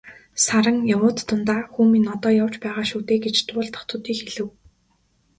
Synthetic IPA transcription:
saɾə̆ŋjawʊːt̪ːʊnt̪aːxuːmiːnɔt̪ɔːjaw̥t͡ɕpæːʁaːʃuːt̪eːɡet͡ɕt̪ʊːɮt̪ʰɔ̥χt̪ʰʊ̆t̪iːxeɮɘ̆w

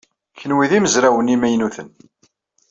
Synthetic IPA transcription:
çənwiðiməzɾæwənimæjnuθən

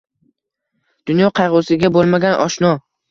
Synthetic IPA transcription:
d̪̥ʊnjɒqʰɑjʁʊwsɪɡʲabolˠmaɡʲanʔɒʃnɒ

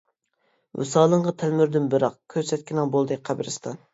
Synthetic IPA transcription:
wṵsɑːlˠəɴʁɑt̪ʰælmyɾd̪ynbɨɾɑqkʲʰøɾsɛt̪ʲkʲinɪŋbolˠd̪ɨqʰæbɾɨst̪ʰɑn

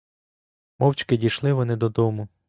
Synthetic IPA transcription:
mɔwt͡ʃkɪdʲijʃlˠɪʋɔnɪd̪ɔd̪ɔmʊ

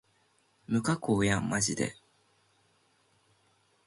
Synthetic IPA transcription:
mɯ̟kakoːjamaʑid̪e̞̰

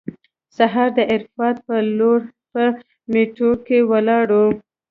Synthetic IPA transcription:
saɦɑɾd̪əʔɪɾfɑt̪̚pəloɾpə | meʈoɾkewəlɑɽu

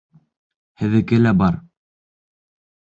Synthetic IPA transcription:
hɘ̆ðɘ̆kɘlæbɑɾ

